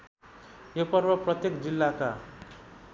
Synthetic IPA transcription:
jopʌrbʌprʌt̪jekd͡zilːaka

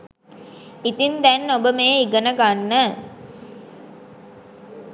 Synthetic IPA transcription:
it̪int̪ænːobəmeːiɡənəɡanːə

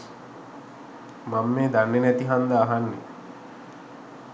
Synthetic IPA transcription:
mamːeːd̪anːenæt̪iɦand̪aːɦanːḛ

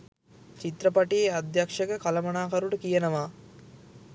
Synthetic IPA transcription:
t͡ʃit̪ɾɐpaʈiead̪jakʂəkəkalɐmɐnaːkaɾuʈəkijənɐʋaː

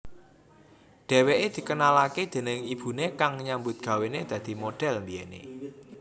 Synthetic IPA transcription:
ɖ̥ɛ̤weʔed̪̥i̤kənalaked̪̥e̤nɪŋib̥ṳnekaŋɲambʊt̪̚ɡ̥ä̤wened̪̥ä̤d̪̥i̤moɖ̥ɛ̤lmbienḛ

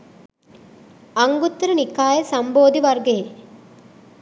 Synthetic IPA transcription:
ɐŋɡut̪ːɾɐnikaːjɐsɐmboːd̪iʋɐrɡeje

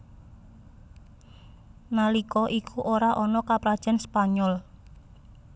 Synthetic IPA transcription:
nalikɔʔikʰuʔoɾaʔɔnɔkapɾad̥ʒ̥a̤nspaɲɔl

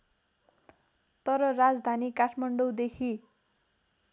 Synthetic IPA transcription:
t̪ʌɾʌrad͡zd̪ʱanikaʈʰmaɳɖowd̪ekʰi

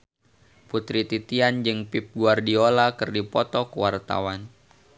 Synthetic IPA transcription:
put̪ɾit̪it̪iand͡ʒɨŋpip̚ɡuardiolakɨrdipɔt̪ɔkwart̪a̰wan

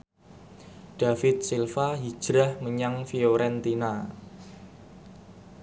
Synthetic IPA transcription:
ɖ̥a̤fɪt̪̚silfaɦid̥ʒ̥ɾahməɲaŋfioɾɛnt̪ina

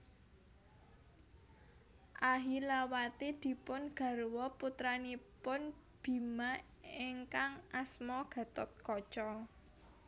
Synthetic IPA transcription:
ʔaɦilawat̪ed̪̥i̤pʊnɡ̥ä̤ɾwɔput̪ɾanipʊn | b̥i̤ma | eŋkaŋʔasmɔɡ̥ä̤t̪ɔt̪̚kɔt͡ʃɔ

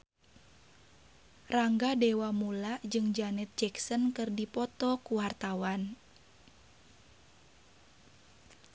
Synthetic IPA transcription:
raŋɡadɛwamulad͡ʒɨŋd͡ʒanɛt̪̚d͡ʒɛksənkɨrdipɔt̪ɔkuwart̪awan

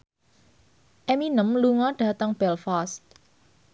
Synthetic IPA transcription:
ʔɛminəmluŋɔɖ̥a̤t̪əŋb̥ɛlfast̪̚

